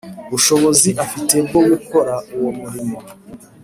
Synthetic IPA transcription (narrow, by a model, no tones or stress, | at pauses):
βuʃo̞βo̞ziʔafite̞bɡoɡuko̞ɾauwomuɾimo